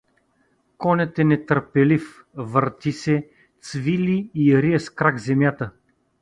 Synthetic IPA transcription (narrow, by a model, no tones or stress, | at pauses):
kɔnʲɛt̪ɛnɛt̪əɾpɛlif | vəɾt̪isɛ | t̪svilʲiːɾiɛskɾaɡzɛmjat̪ə